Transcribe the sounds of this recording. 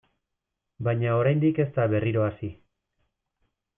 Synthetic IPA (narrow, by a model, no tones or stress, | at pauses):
bajɲao̞ɾajnd̪ike̞st̪aβe̞riɾo̞asi